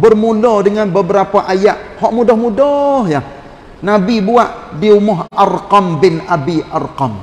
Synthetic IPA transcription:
bərmulɔdəŋanbəbəɾapaʔajaʔhɔʔmudɔhmudɔhja | nabibuaʔdiumɔɦʔarqɔmbɪnabiʔarqɔm

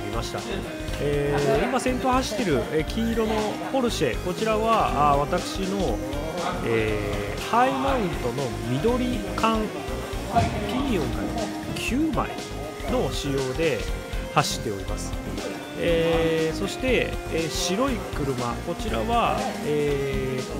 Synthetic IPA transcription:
imaɕi̥t̪a̰ | eːimasẽ̞nt̪o̞haɕi̥t̪ːe̞ɾɯ̟ekʲʰiːɾo̞no̞ | ho̞ɾɯ̟ɕe̞̰ko̞t͡ɕiɾaβaaβ̞at̪akɯ̟̥ɕino̞ | e | haimõĩnt̪o̞no̞ | mʲid̪o̞ɾʲikãŋ | pʲiɲʲiõ̞ŋka̰i | kʲʰɨːma̰ḭ | no̞ɕijo̞ːd̪e̞haɕi̥t̪ːe̞o̞ɾimasɨ̥ | eso̞ɕi̥t̪e̞eɕiɾo̞ikɯ̟ɾɯ̟mako̞t͡ɕiɾa̰βaeː

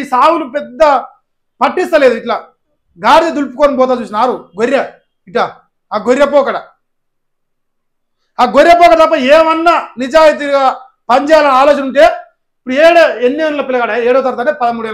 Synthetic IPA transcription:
isaːwulupɛd̪ːɐ | pɐʈːist̪ɐleːd̪uiʈlaː | ɡaːɾd̪id̪ulpukɔːɾɐmbɔːt̪aːt͡ʃuːs̬inaːɾuɡoɾːɐ | iʈlaː | aːɡoɾːɐpɔːkɐɽɐ | aːɡoɾːɐp̬ɔːkɐɽɐt̪ɐpːɐɛːʋɐnːɐnid͡ʒaːjit̪̬iɡaː | pɐɲd͡ʒɛːjaːlɐniaːloːt͡ʃɐnuɳʈe̞ː | ipːuɽueːɽeenːeːnulɐpilɐɡaːɽaeːɽɐt̪̬ɐɾt̪aːʈepɐd̪ɐmuːɽuɛːl

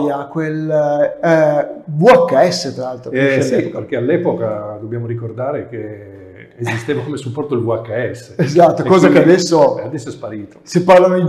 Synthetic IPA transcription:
jakwel | buakːaɛsːet̪ɾalalt̪ɾosipeɾkealːɛːpokad̪objaːmoɾikord̪aːɾek̟eː | zist̪eːvakomesupːɔrt̪od̪elbuakːaɛsːeezat̪ːokɔːzakead̪ɛsːoad̪ɛsːoɛspaɾiːt̪o̥sepːarlanoi

